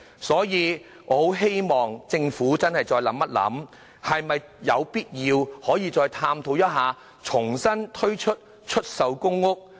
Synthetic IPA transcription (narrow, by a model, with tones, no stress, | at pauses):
sɔː˨˥jiː˨˧ | ɔː˨˧ho˨˥wɦe˥jmɔː˨˩ŋt͡sɪ˧ŋfuː˨˥t͡sɐ˥nhɐ˨jt͡sɔː˧jlɐ˨˥mːɐ˥t̚lɐ̰˨˥m | hɐ˨jmɐ˨j | jɐ˨˧wpiː˥t̚jiː˧whɔː˨˥jiː˨˧t͡sɔː˧jt̪ʰaː˧mt̪ʰo˨˧wjɐ˥t̚ɦaː˨ | t͡sʰʊ˨˩ŋsɐ˥nt̪ʰɵ˥ɥt͡ʃʰɵ˥t̚ | t͡ʃʰɵ˥t̚sɐ˨˧wkʊ˥ŋːʊ˥k̚